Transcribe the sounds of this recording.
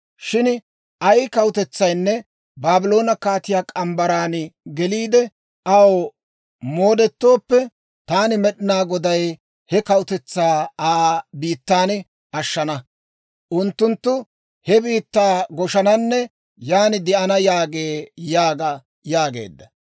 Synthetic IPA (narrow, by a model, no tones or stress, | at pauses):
ʃɪn | ʔɐjɪkɐwʊt̪ɛt͡sːɐjnːɛ | baːbɪlo̞ːnɐkaːt̪ɪjaːkʼɐmbɐɾaːnɡɛliːd̪ɛ | ʔɐw | moːd̪ɛt̪ːo̞ːpːɛ | t̪aːnɪmɛɗɪnaːɡɔd̪ɐj | hɛkɐwʊt̪ɛt͡sːaːaːbiːt̪ːaːn | ɐʃːɐnɐ | ʔʊnt̪ːʊnt̪ːʊ | hɛbiːt̪ːaːɡɔʃɐnɐnːɛ | jaːnɪd̪ɪʔɐnɐjaːɡeːjaːɡɐ | jaːɡe̞̰ːd̪ːɐ